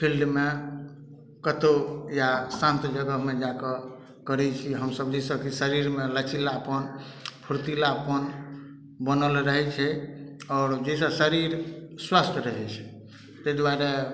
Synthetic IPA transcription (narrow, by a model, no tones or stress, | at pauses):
pʰilɖme | kət̪ojasãnt̪d͡ʒəɡəɦmed͡ʒakə | kəɾɛt͡ʃʰiɦəmsəbd͡ʒesəkisəɾiɾmelət͡ʃilaəpənpʰuɾt̪ilaəpən | bənəlɾəɦɛt͡ʃʰɛɔːɾd͡ʒesə̃səɾiɾswast̪ʰɾəɦɛt͡ʃʰɛ̥ | t̪ed̪waɾe